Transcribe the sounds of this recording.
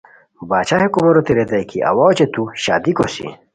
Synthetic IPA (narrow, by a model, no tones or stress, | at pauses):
baːt͡ɕahekubɐɾot̪iɾed̪ɐjkʰiʔɐ̰wawt͡ɕet̪uɕa̰ːd̪ikosḭ